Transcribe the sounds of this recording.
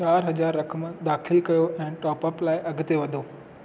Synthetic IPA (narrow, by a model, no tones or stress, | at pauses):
t͡ɕaːɾɦɐd͡ʑaːɾːɐkʰəmd̪aːxɪlkɐjoʔɛ̃ːʈɔːpɐplaːɪʔɐɡʱʊt̪eʋɐd̪ʱoː